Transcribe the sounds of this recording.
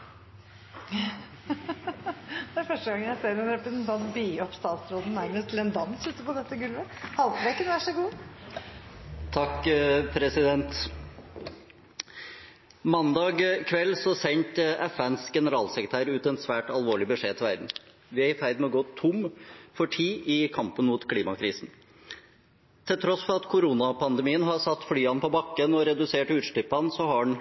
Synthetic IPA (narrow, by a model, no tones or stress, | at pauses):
d̪ɛæɾfœʂʈəɡɑŋːəjæseːɾɛnɾɛpənd̪ɑnbiːɔpst̪ɑːt̪sɾoːd̪n̩mæɾnəst̪ʰɪlɛnd̪ɑnsʉːt̪ːəpɔd̪ɛt̪ːəɡʉlʋəhɑlɾekːənʋæʈʂɔɡuː | t̪ʰɑkːpʰɾɛsɪd̪ɛnt̪ | mɑnd̪ɑːɡkʰʋɛlːsɔsɛɲt̪ɛfænsɡɛnəɾɑːlsɛkɾət̪æːɾʉːt̪ɛnt̪sʋæːʈɑlʋoːɭɪbəʂeːt̪ʰɪlʋæ̰ɾd̪n̩ | ʋɪæɾɪfæɪd̪mɛɔɡoːt̪ʰʊmfɔʈʰiːʔɪkʰɑmpənmʊːt̪kʰliːmɑkʰɾiːsn̩ | t̪ʰɪlt̪ʰɾɔsfɔɾɑt̪kʰʊɾuːnɑpʰɑnd̪ɛmiːənɦɑɾsɑt̪ːflyːɑnpʰɔbɑkːənɔɾɛd̪ʉseːʈʉːt̪ʂʈ̪ʏpːɑnsɔhɑɖɳ